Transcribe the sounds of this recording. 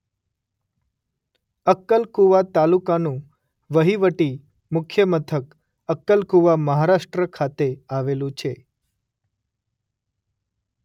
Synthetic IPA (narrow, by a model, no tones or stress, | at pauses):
əkːəlkuʋat̪alukanũ | ʋəɦiʋəʈi | mʊkʰjəmət̪ʰək | əkːəlkuʋaməɦaɾaʃʈɾəkʰat̪eaʋelũt͡ʃʰe